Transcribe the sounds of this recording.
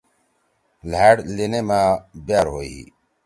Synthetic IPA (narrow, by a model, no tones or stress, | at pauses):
laːɽlinemãːbjaːɾɦoːiḭ